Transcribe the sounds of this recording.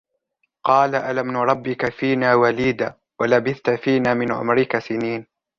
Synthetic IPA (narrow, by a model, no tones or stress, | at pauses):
qɑːlaʔalamnʊɾˤɑbːɪkafiːnaːwaliːd̪aː | walabɪθt̪afiːnaːmɪnʕʊ̰mɾɪkasɪniːn